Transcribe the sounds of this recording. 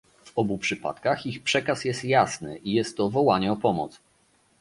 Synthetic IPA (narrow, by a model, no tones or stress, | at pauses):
vɔbupʂɘpa̰t̪kaxixpʂɛkasjɛst̪jasnɘ̰ʔijɛst̪ːɔvɔwaɲɛɔpɔmɔ̰t̪s